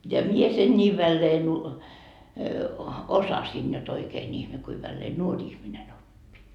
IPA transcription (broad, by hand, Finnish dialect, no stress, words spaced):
jɑ mie sen nʲiː ʋælːeːn u osɑsin jot oikeːn ihme kui ʋælːeː nuorʲ ihminen opːi